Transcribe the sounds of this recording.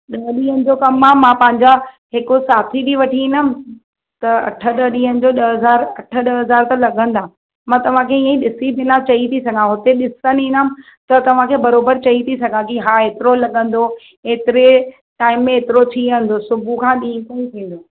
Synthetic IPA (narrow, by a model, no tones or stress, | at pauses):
ɗɐɦɗiːɦənɪ̆d͡ʑoːkɐmaːmãːpɐ̃ɦɪ̃ɲd͡ʑa | ɦɪkosaːt̪ʰid̪iʋɐʈʰiiːnəmɪ̆ | t̪ɐɐ̰ʈʰə̆ɗəɗĩːɦənɪ̆d͡ʑoːɗɐɦɐzaːɾɐʈʰə̆ɗɐɦɐzaːɾt̪ɐlɐɠʱə̃n̆d̪aː | mãːt̪ɐʋ̤ãkʰeiːə̃ĩɗɪsibʱɪnat͡ɕɐit̪ʰisɐɡʱãɦʊt̪eɗɪsənɦĩːnəmɪ̆ | t̪ɐt̪ɐʋ̤ãkʰeːbɐɾoːbəɾt͡ɕɐit̪ʰis̬ɐɡʱãkiɦaːeːt̪ɪɾolɐɠə̃n̆d̪o | eːt̪ɪɾe | ʈaːɪmːẽeːt̪ɪɾot͡ɕʰiə̃nd̪osʊbʱukʰãːɗĩːkoĩt̪ʰĩːn̆d̪oː